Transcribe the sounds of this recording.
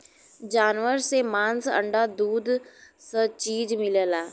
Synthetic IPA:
d͡ʒaːnʋəɾsemaːnsə̰ɳɖad̪uːd̪sət͡ʃiːd͡ʒmɪləlaː

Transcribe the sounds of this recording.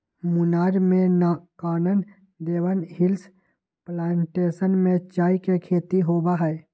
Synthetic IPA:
mʊnaːɾmẽnakaːnən | d̪eːwənɦɪls | plaːɳʈeːsənmẽt͡ʃaːikekʰeːt̪iɦoːbaɦɛː

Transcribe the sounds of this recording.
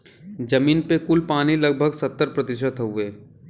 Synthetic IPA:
d͡ʒɐmiːnpekʊlpaːnilɐɡ̚bʱəɡsɐt̪ːəɾpɾɐt̪ɪʃ̬ət̪ʊeː

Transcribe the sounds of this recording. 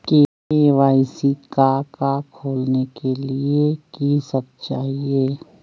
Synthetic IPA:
keː | eʋaːisikakakʰoːlnekeliekisək̚t͡ʃaːɦieː

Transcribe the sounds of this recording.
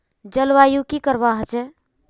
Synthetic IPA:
d͡ʒəlʋajukikəɾbaɦət͡ʃɛ

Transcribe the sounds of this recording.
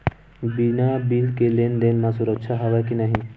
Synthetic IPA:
binabilkelend̪enmãsuɾəkʃʰaɦaʋakinaɦĩ

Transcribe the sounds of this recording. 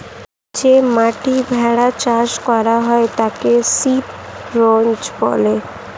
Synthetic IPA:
d͡ʑemaʈibʱɛɽat͡ɕaʃkɔɾaɦɔet̪akesip | ɾond͡ʒbɔ̰le

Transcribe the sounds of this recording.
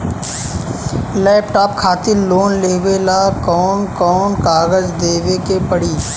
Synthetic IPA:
lɛːpʈaːp̚kʰaːt̪ɪɾloːnleːʋeːlakɔːnkɔːnkaːɡəd͡ʒd̪eːʋekepəɽiː

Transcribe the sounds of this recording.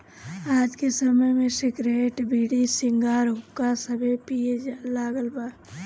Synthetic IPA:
aːd͡ʒkesəməjmẽsɪɡɾeːʈbʱiːɽisɪŋɡaːɾɦʊkːasəbʱepijed͡ʒalaːɡəlbaː

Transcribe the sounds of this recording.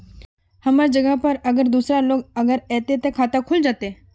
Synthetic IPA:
hɐmaɾd͡ʒəɡəɦpɐɾɐɡəɾd̪uːsɾaloːɡəɡəɾɛːt̪et̪ekʰaːt̪akʰʊld͡ʒaːt̪eː

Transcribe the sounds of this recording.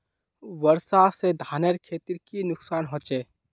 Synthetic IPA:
ʋəɾsased̪ʱaːneɾkʰeːt̪iɾkinʊksaːnɦoːt͡ʃeː

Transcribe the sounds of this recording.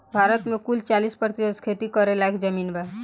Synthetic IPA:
bʱaɾət̪mẽkult͡ʃalispəɾt̪isəd̪kʰet̪ikəɾelakd͡ʒəminba

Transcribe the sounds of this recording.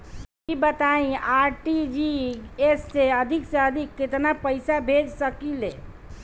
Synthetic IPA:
kibət̪aĩaɾʈid͡ʒiesːeəd̪ʱiksẽəd̪ʱikːet̪napəɪsabʱed͡ʒsəkile

